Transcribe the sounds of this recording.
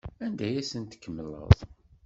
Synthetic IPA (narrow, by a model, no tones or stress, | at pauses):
ænd̪æjæsənt̪ə̥kːəmːəlːə̰ðˤ